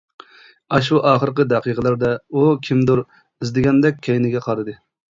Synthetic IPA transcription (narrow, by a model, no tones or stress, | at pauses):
ɑʃuʔɑːχəɾɨqəd̪ɛqiqʰəlˠæɾd̪ɛukʲʰimd̪uɾ | ɪzd̪ɪɡʲɛnd̪ɛk̚ʲʰːejnɪɡʲɛqʰɑɾɨd̪ɨ